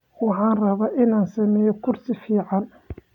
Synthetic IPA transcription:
wɑħɑːnrɐβaːʔɪnaːnsɐmɛːjɔkʰʊrsɪfiːʕɑn

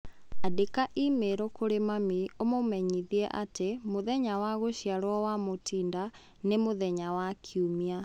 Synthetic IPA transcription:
adekaʔimeɾokoɾemamiomomɛɲiðiɛʔa̰temoðɛɲawaɣoɕiaɾwɔwamotiːnda | nemoðɛɲawakʰiumia

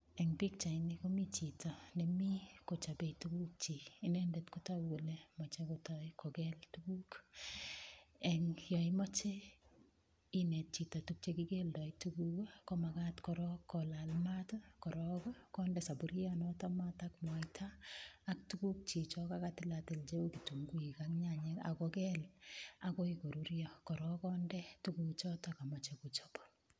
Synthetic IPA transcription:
ɛŋbikt͡ʃaɪnikomit͡ʃitɔnɛmikot͡ʃabetuɡuk̚t͡ʃiːnɛndetkotaɡulemɔt͡ʃekotɔkʰoɡɛltukuk | ɛŋjɔɪmɔt͡ʃe | inɛt̚t͡ʃitɔtuk̚t͡ʃekiɡeldɔituɡuɡokomakatkɔɾɔkʰːɔlalmatɔkɔɾɔkɔkɔndɛsabuɾjɔnɔtɔmatakmwɔjtʰaːk̚tukuk̚t͡ʃit͡ʃɔkakatɪlatɪlt͡ʃeokituŋɡuikaŋɲaɲea̰kɔkɛlakoikoɾuɾjɔkɔɾɔkɔndɛtukut͡ʃɔtakamɔt͡ʃekut͡ʃopɔ

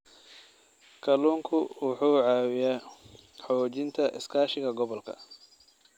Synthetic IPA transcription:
kʰɐluːŋkʰʊwʊħuːʕaːwɪjaː | ħɔːt͡ʃɪnt̪ʰɐʔɪ̰skʰaːʃɪɣɐɡɔβɔlkʰɐ̰

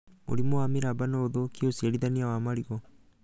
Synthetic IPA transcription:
ṵɾimoamiɾabanoːðokiosieɾidaniawaːmaɾiɡo

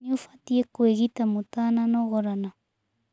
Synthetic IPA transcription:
ufat̪iekweɣit̪amutananoɣoɾana

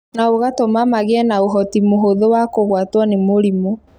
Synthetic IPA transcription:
naoɣatomamaɣeɛnaoɦɔtimoɦoðowakoɣwatwɔnemoɾimo

